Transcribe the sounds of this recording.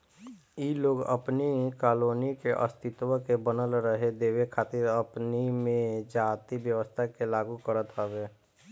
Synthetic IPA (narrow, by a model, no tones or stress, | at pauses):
iloːɡə̰pnikaːloːnikeʔə̰st̪ʰɪt̪wəkebənəlɾəɦed̪eːwekʰaːt̪ɪɾəpnimẽd͡ʒaːt̪ibjəʋəst̪ʰakelaːɡukəɾət̪ɦəʋeː